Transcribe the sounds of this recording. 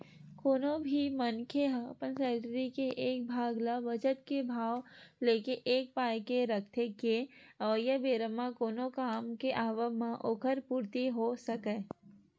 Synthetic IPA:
koːnõbʱimənkʰeɦapənsɛːd͡ʒəɾikeʔeːk̚bʱaːɡlabət͡ʃət̪̚kebʱaːʋleːkeʔeːk̚paːjkeɾɐkʰt̪ʰekeɐʋəjəbeːɾəmakoːnõkaːmkeʔaːʋəmãʔoːkʰəɾpuːɾt̪iɦosɐkeː

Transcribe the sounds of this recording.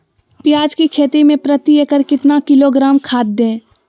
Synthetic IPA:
pjaːd͡ʒkikʰeːt̪emẽpɾət̪iekəɾkɪt̪nakɪloɡɾaːmkʰaːt̪̚d̪ẽː

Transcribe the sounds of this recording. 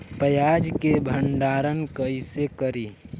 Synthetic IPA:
pəjad͡ʒkebʱəɳɖaːɾənkəisekəɾiː

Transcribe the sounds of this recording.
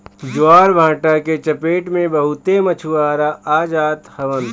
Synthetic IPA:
d͡ʒuaːɾbʱãːʈaket͡ʃəpeːʈmẽbəɦut̪emət͡ʃʰuʋaːɾaʔaːd͡ʒaːt̪həʋən

